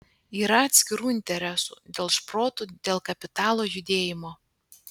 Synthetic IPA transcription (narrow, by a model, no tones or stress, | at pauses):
iːɾɐɐt̪ʲsʲkʲɪɾuːɪnʲt̪ʲɛɾʲɛsṵːd̪ʲeːlˠʃpɾoːt̪ud̪ʲeːlˠkɐpʲɪt̪ɑːlˠoːjʊd̪ʲeːjɪmoː